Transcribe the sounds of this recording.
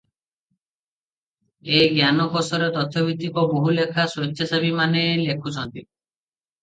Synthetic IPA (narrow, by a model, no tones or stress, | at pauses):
eɡjanɔkɔsɔɾet̪ɔt̪ʰjɔbit̪ikɔboɦulekʰaswot̪ʰːjasabimanelekʰut͡ʃʰɔnt̪i